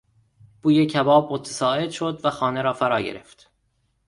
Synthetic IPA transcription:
b̥uːjecʰæbɒːb̚mot̪ʰæ̥sɒːʔe̞d̪ʃod̪væxɒːneɾɒːfæɾɒːɟeɾḛft̪

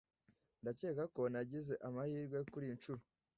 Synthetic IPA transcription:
ndace̞ːkako̞naɟize̞ʔamahiːɾɡwe̞kuɾint͡ʃuɾo

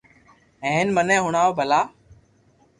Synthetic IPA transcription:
ɦẽːnmənẽːɦʊɳaːoːbʱəlaː

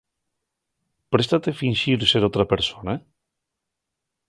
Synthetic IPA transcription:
pɾest̪at̪efinʲʃiɾseɾot̪ɾapeɾsona

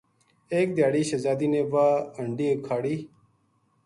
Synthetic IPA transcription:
eːk̚d̪jaːɽiːɕɐzaːd̪iːneːʋaːəɳɖiːkʰaːɽiː

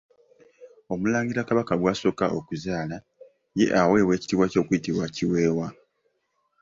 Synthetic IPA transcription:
o̞mulaːŋɡiɾakaβakaɡwaso̞kaʔo̞kuzaːla | je̞̰ʔawe̞ːwe̞ːci̥tiβwaco̞ːkuitiβwaciwe̞ːwa

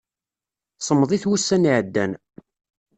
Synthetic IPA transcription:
sˤəmːðˤiθwusːæniʕəd̪ːæn

